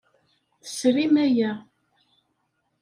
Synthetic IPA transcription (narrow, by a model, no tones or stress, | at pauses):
θə̥sɾimæjæ